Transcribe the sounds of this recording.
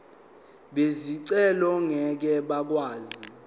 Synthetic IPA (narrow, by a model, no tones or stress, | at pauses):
ɓeziǀɛlɔŋɛk̬ɛɓak̬waːzi